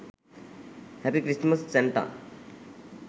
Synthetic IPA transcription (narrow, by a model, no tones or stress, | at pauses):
hɛpikɾisməsseɳʈa̰